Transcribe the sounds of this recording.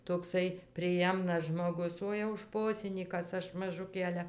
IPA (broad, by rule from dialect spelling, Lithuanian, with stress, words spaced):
toːkˈsɐɪ pʲrʲɪˈjɛmnɐs ʒmoːˈɡʊs ˈoː jɛʊ ˈʃpoːsʲɪnʲiːkɐs ˈɐʃ mɐˈʒʊkʲeː ˈɑːlʲɛ